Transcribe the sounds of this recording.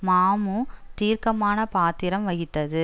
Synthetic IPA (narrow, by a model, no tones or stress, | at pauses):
maːmut̪iːɾkɐmaːnɐpaːt̪ɪɾɐmʋɐɣɪt̪ːɐðɯ